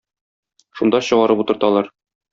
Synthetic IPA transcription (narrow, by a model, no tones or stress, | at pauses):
ʃund̪ɑɕɤ̆ʁɑɾɤput̪ɤ̆ɾt̪ɑlˠɑɾ